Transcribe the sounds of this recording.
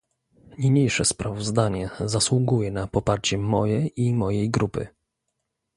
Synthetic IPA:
ɲiɲejʂɛspɾavɔzd̪aɲɛzaswuɡujɛnapɔpaɾt͡ɕɛmːɔjɛimɔjɛjɡɾupɘ̰

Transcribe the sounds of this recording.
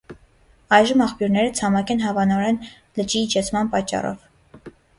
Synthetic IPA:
ɑjʒəmɑχpjuɾnɛɾət͡sʰɑmɑkɛnɦɑvɑnɔɾɛn | lət͡ʃiːt͡ʃʰɛt͡sʰmɑnpɑt͡ʃːɑ̰rɔ̰v

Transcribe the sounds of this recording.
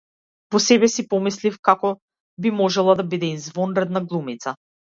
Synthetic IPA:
vɔsɛbɛsipɔmislifkakɔ | bimɔʒɛlˠad̪abid̪ɛinzvɔnɾɛd̪naɡlˠumit̪sa

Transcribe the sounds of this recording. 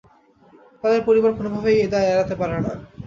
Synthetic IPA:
t̪ad̪eɾpoɾiboɾkʰonobʱabejed̪aeɛɾat̪epaɾena

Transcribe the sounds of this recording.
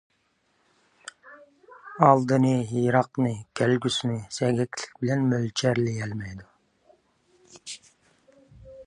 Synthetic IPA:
ɑlˠd̪ɨnɨɦijɾɑqnɨkʲʰɛlɡʲysynɪsɛɡʲɛkʲʰlɪ̥k̚ʲbɪlɛnmølt͡ʃʰɛɾlɪjɛlmɛjd̪u

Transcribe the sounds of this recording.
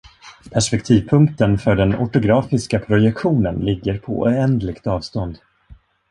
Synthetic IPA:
pʰæʂpɛkt̪ʰiːvpʰɵŋkt̪ənfœɖɛnɔ̰ʈʊɡɾɑːfɪskapʰɾʊjɛkɧuːnənlɪɡːəɾpʰɔ̰ɛnd̪lɪkt̪ɑːvst̪ɔnd̪

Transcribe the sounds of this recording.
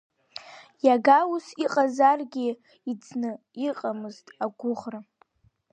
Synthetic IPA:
jaɡawusiqʼazarɡʲi | id͡zʰnɨ | iqʼamɨztʼaɡʷʊʁra

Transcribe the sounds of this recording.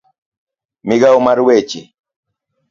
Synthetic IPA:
mɪɡaumaɾwet͡ʃi

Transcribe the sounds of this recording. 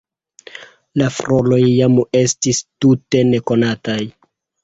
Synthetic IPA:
lafɾo̞lo̞jːame̞stistute̞ne̞ko̞nataj

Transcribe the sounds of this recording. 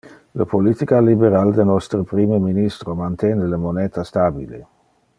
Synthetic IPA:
ləpolit̪ikalibeɾald̪enɔst̪ɾəpɾimeminist̪ɾomant̪ɛneləmonɛːt̪ast̪abilḛ

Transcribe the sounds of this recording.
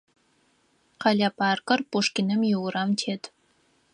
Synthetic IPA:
qɑlʲapɑːrkɐrpoʂkʲinɨmjɪwɾamtʰet̪ʰ

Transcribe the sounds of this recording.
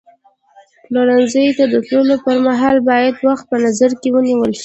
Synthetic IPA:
loɾanzəjt̪ad̪ət̪lulopəɾmaɦɑlbɑjad̪waxt̪̚pənazaɾkewəniwəlʃi̥

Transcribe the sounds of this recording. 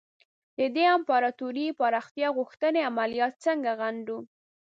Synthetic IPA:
d̪̥əd̪eampɑɾɑt̪uɾipɑɾɑxt̪jɑɣʊxt̪əneamalijɑt̪̚t͡səŋɡaɣaɳɖu

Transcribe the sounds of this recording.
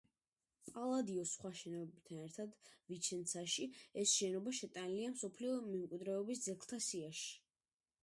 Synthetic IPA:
pʼalˠad̪iɔsχwaʃɛnɔbt̪ʰanɛɾt̪ʰad̪vit͡ʃʰɛnt̪sʰaʃiɛsʃɛnɔbaʃɛt̪ʼaniliamsɔpʰliɔmɛmkʼwid̪ɾɛɔbisd̪zɛklˠt̪ʰasiaʃi̥

